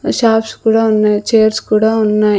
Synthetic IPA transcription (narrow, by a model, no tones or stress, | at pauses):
ʃaːpskuːɽaːunːat͡ʃeːɐɾskuːɽaunːa